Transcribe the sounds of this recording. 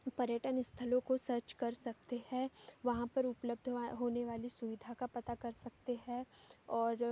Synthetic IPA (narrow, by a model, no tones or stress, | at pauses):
pɐɾjəʈənɪst̪ʰəlõkosɐɾt͡ʃkɐɾsɐk̚t̪ehɛ̃ʋɐɦãpɐɾʊpləb̚d̪ʱɦoːneʋaːlisʊʋɪd̪ʱakapɐt̪akɐɾsɐkt̪eɦɛɔːɾ